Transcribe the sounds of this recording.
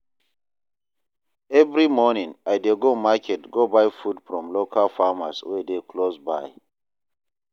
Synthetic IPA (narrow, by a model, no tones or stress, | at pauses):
ɛvɹimɔnĩŋajdeɡomakʰɛtɡobajfudfɹɔ̃mlokʰalfamaswɛdeklosba̰j